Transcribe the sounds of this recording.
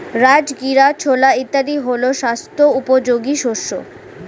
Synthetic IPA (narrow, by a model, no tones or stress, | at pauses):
ɾad͡ʑɡiɾat͡ɕʰolait̪ːaɾiɦoloʃast̪oupod͡ʑoɡiʃoʃːo̰